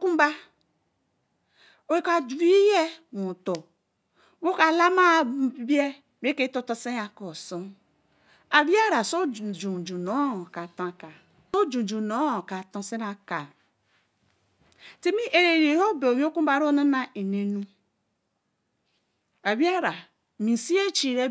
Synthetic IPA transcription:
ku˦m˦ba˦ | o˨i˦ka˨d͡ʒu˨˦ɾi˦i˦je˦nu˨to˨ | wo˦ka˨la˦ma˦˨bbbi˦e˦ | m˦e˦ke˦to˦to˦se˦a˨ko˨so˦ | a˨bi˦a˦ɾa˨so˦˨d͡ʒu˨d͡ʒu˨no˨˦˨ka˨tã˨˦˨ka˨ | o˦d͡ʒu˨d͡ʒu˨no˨˦o˨ka˨to˦se˦na˦ka˨ | ti˦mi˦ʔe˨ɾe˨ɾe˨ho˦be˨mi˦o˦ku˦a˨ɾo˦na˦na˨ʔi˨ne˨nu˦ | a˨bi˦a˦ɾa˨ | mi˨si˦e˦t͡ʃi˨ɾe˦

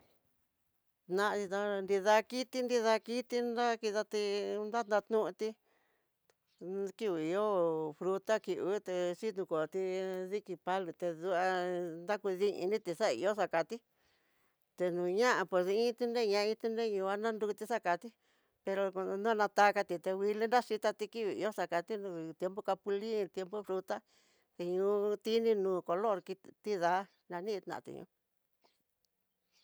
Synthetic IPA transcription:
nã˧i˧t̪ã˧nd̪i˧ða˧ki˦t̪i˧nd̪i˧ða˧ki˦t̪i˧na˦ki˧ða˧t̪i˧nd̪a˦t̪nã˧t̪nũ˦ʔũ˧t̪i˧ | ki˧βu˨i˧o˦fɾu˧t̪a˦ki˨ʔβu˦t̪e˧t͡ʃi˦t̪nũ˧ko˨t̪i˧ði˦ki˧pa˦lu˧t̪e˧ðu˧a˧nd̪a˦ku˧ði˦ʔḭ̃˧nĩ˦t̪i˧ʂa˦˧ḭ˧o˦ʂa˧ka˨t̪i˦ | t̪e˧nũː˨ɲã˦ʔa˧pwe˧˨si˧ĩ˦t̪i˧nẽ˦˧ɲã˧˦˧ĩ˧t̪u˧nẽ˦˨ɲũː˧a˦nã˦nd̪u˧u˧t̪i˧ʂa˦ka˨t̪i˦ | pe˧ɾo˧nũ˦a˦nã˧t̪a˦˧ka˧t̪i˧t̪e˧wi˧le˦nɾa˦ʂi˧t̪a˧t̪i˧ki˦βi˨ḭ˧o˦ʂa˧ka˧t̪i˦nũ˧˨t̪je˧mpo˦ka˧pu˧li˦˧t̪je˧mpo˦fɾu˧t̪a˦ | t̪e˧ɲũː˧˦t̪i˦nĩ˧nũː˨ko˧lo˦˨ɾki˧t̪i˦ða˨˦ | nã˧nĩ˦˧t̪nã̰˨ã̰˧t̪ḭ˧ɲṵ̃˧˦

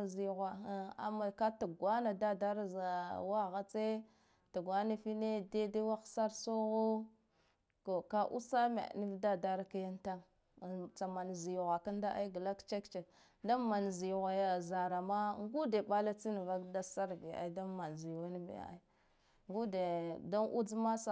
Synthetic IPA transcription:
zi˨ɣwa˨˦˨a̰˨ma˨ka˦ta˨ɡwa˦na˨da˦da˦ɾa˦za˨wa˦˨ɣa˦t͡se˦ | ta˨ɡwa˦na˦fi˦ne˦de˦de˦wa˦xsa˦ɾso˦ɣo˦ | ko˨ka˦ʔṵ˦sa˦mḛ˨ni˦vda˦da˦ɾa˦ka˦ja˦nta˦ŋ˨ | t͡sa˨ma˨n˨zi˨ɣʷa˨ka˦n˦da˦ʔa̰˦i˦ɡla˦kt͡ʃe˦kt͡ʃe˨ | da˦ma˨n˨zi˨ɣa˨ja˨za˨ɾa˨ma˦ŋɡu˦de˨ɓa˦la˦t͡si˦n˨va˦kda˦sa˦ɾbi˨a̰˦da˦ma˨nzi˨wa˦n˦mḛ˨a̰˨a̰˦i˦ | ŋɡu˦de˨da˦nʔṵ˦d͡zma˦sa˦˨

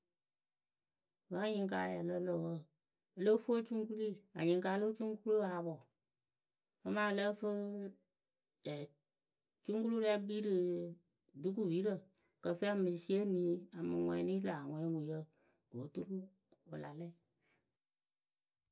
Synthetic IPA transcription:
ɣa˨˦ɲĩ˧ŋ˦k̬a̰ː˧˦ja˨lə˧˦lə˨wə˦˨ | ə˨lə˦fu˦o˦t͡ʃu˦ŋ˦ku˦li˦˨a˨ɲĩ˨ŋ˦kaː˧˦˧lə˦t͡ʃu˦ŋ˦ku˦lu˦a˨˦ɓɔ˨ | fə˦mãː˦˧lə˦fə˦ | ɛ˨ | t͡ʃũ˦ŋku˦lu˦lɛ˧˦biː˦ɾɨ˨ | du˦k̬u˦˨wiː˨˦ɾə˨ | kə˧˨fe˦a˨mɨ̃˨si˦e˦nĩː˨˦a˨mɨ̃˧ŋɛ̃˧˦nĩː˦laː˨ŋʷɛ̃˦˨˦ŋũ˨jə˦ | ɡ̥o˨˦tu˦ɾu˦ | wə˨la˨lɛ˦˨

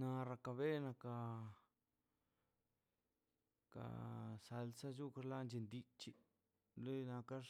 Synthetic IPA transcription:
na˧ɾa˧ka˧βe˦na˧ka˧ | ka̰˨sa˧lsa˦t͡ʃu˦ka˧ɾla˦nd͡ʒe˧nd̪i˧t͡ʃi˧ | le˦na˧ka˦

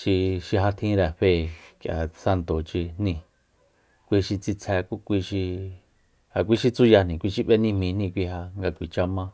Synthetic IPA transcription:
ʃi˧ʃi˧ɦa˧t̪ʰĩ˧˦˧ɾɛ˨ɸe˧˨kjʔa̰˨sa˧nt̪o˨t͡ʃi˧n̥nĩ˧˨ | kʷi˧ʃi˧t͡si˧t͡sʰɛ˧ku˦kʷi˧ʃi˧ | ha˨k̬ʷi˦ʃi˧t͡su˦ja˧nĩ˨kʷi˧ʃi˧βe˦nĩ˧mĩ˧nĩ˦˧kʷi˧ɦa˧ŋɡa˧kʷi˨t͡ʃa˧mã˧

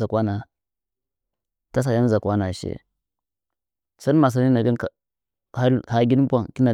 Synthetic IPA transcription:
a˨kwa˦na˨ | ta˦s̬a˨ja˦n˦za˨kʷa˦na˨ʃḛ˦ | sa˦n˦ma˨s̬a˨ni˦na˨ɡi˦n˦ka˨ | a˦ha˦ɡi˦n˦bʷa˨ŋ˨ki˦na˨

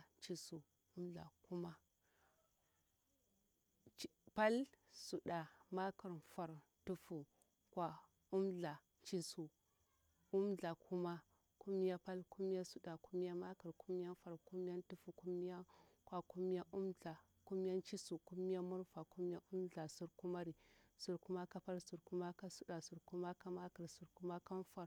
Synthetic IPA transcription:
t͡ʃi˨su˨ | u˦mɮa̰˨ku˦ma˦ | pa˦lsu˨ɗa˨ma˦ka˨ɾfa˨ɾ | tu˦fu˨ | kwa˨ | u˦mɮa˨ | t͡ʃi˦su˨ | u˦mɮa˨kʰu˦ma˦ | ku˦mi˦ja˦pa˦lku˦mi˦ja˦su˦ɗa˨ku˦mi˦ja˦ma˦ka˨ɾku˦m˦ja˦fa˨ɾku˦mi˦ja˦n˦tu˦fu˨ku˦mi˦ja˦ | kwa˨ku˦mi˦ja˦ʔu˦mɮa˨ | ku˦mi˦ja˦nt͡ʃi˦su˨ku˦mi˦ja˦mu˦ɾfa˨ku˦mi˦a˦ʔu˦mɮa˨su˨ɾku˦ma˦ɾi˨su˨ɾku˦ma˦ka˦pa˦lsu˨ɾku˦ma˦ka˦su˦ɗa˨su˨ɾku˦ma˦ka˦ma˦ka˨ɾsu˨ɾku˦ma˦ka˦n˦fa˨ɾ

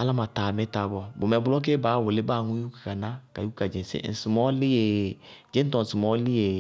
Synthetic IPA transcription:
a˦la˦ma˨taː˨me˨˦ta˨bɔ˨bo˨mɛ˨bʊ˦lɔ˦k̬e˦baː˨˦˨wo˨le˦ba˦˨ŋũ˦ju˦kḁ˨ka˨na˦ka˨ju˦ka˨d͡ʒẽ˨sḛ˦n̩˨su˨mɔ˦li˦e˨d͡ʒẽ˦n˦tɔ̃˨su˨mɔ˦li˦e˨

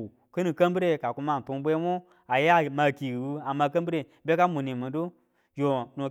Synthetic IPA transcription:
kɨ˦ni˨kə˦m˦bi˦ɾe˦˨ka˨ku˦ma˦˨n̩˨tu˦ŋ˦bʷe˦mo˦ | a˨ja˦ma˨ki˨wu˦a˨ma˨kə˦mbi˦ɾe˦ | be˦ka˦mu˨ni˨mɨ˨do˦ | jo˨no˨

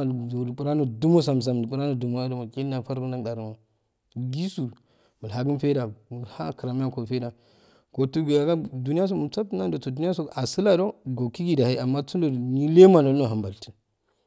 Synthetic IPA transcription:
o˨pu˨ɾa˦no˨du˦mo˦s̬a˨m˨s̬a˨m˨pu˨ɾa˦no˦˨du˨mo˦a˦do˨mu˨ki˦lna˨fa˦ɾɡu˦n˦a˦˨da˨ɾu˨ma˨ | ɡi˦su˨ | mu˨la˨ɡi˦nfe˦da˨ha̰˦kɾa˨m˦ja˦ko˨fe˦da˨ | ko˨tu˦ɡɡa˨ɡa˦du˨ni˦ja˦s̬o˦˨mu˨t͡sa˦b̚tna˦do˨to˨du˦ni˦a˦so˨a˨si˦la˦do˦ɡo˨ki˦ɡi˦da˨ha˦a˨mːa˦t͡su˦o˨ni˦le˦ma˨no˨lno˨ɦa˨mba˨lti̥˨

